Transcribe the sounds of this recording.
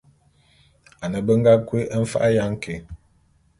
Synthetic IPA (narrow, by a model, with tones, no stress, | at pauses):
a˨nə˨bə˦ŋ̩˦ɡa˦kwe˦ʔə˦ɱ̩˦fa̰˦ʔa˦ja˦ŋ̩˦kʰe˨